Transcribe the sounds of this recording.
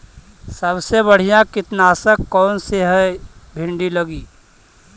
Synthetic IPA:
səbsebəɽ̤ijãkɪt̪naːsəkːɔːnseɦɛbʱɪ̃ɳɖilɐɡiː

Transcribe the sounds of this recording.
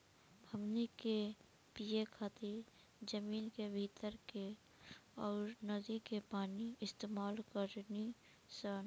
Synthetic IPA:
bʱəmnike | pijekʰaːt̪iɾ | d͡ʒəmiːnkebʱit̪əɾke | ɔːɾnəd̪ikepaːniɪst̪eːmaːlkəɾni | sən

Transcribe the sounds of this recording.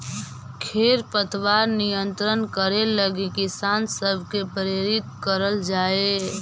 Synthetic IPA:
kʰeːɾpət̪waːɾnijə̃nt̪ɾənkəɾeləɡekɪsaːnsəbʱkepɾeɾɪt̪kəɾəld͡ʒaːe

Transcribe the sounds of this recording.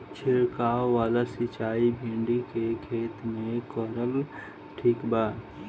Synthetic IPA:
t͡ʃʰɪɾkaːoːaːlasɪt͡ʃaːibʱẽːɳɖikekʰeːt̪mẽkəɾəl | ʈʰiːkbaː

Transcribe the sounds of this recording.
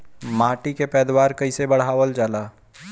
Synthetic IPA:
maːʈikepɛːd̪waːɾkɐisebɐɽ̤aːʋəld͡ʒaːlaː

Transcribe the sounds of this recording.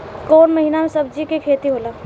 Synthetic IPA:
koːnmɐɦiːnamẽsɐb̚d͡ʒikekʰeːt̪iɦoːlaː

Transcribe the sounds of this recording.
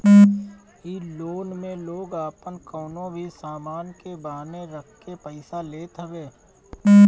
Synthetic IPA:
iloːnmẽloːɡaːpənkɔːnõbʱisaːmaːnkebaːneɾəkʰkːepəɪsaleːt̪ɦəbeː

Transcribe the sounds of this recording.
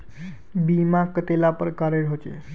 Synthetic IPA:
bimãkət̪elapəɾkaɾeɽɦot͡ʃḛ

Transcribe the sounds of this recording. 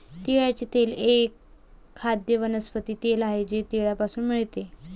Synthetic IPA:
t̪iɭat͡ɕet̪elekʰː | ad̪jəʋənəspət̪iːt̪elaɦed͡ʑet̪iɭjapasuːnm̤iɭt̪e

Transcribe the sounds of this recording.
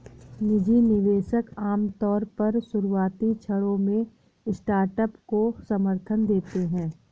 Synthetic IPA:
nɪd͡ʒinɪʋeːʃəkaːmt̪ɔːɾpɐɾsʊɾuaːt̪it͡ʃʰɐɽõmẽ | sʈaːɾʈəpkosɐməɾt̪ʰənd̪eːt̪eɦɛ̃ː

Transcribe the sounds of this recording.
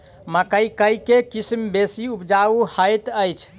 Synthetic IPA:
məkəikəjkekismbesiupd͡ʒauhəjt̪əjt͡ʃʰ

